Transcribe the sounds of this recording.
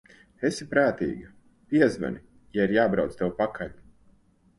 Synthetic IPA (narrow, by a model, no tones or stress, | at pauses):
esipɾaːt̪ḭːɡɐ | piɛzva̰ni | jaiɾjaːbɾawt̪st̪ɛwpakʰaʎu